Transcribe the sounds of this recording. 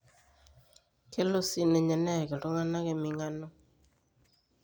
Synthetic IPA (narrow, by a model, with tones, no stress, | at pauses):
ke˦lo˦si˦nɛ˨ɲɛ˨nɛ˦˨ke˨ɾo˦ŋa˦na˦ke˦mi˨ŋa˦no˦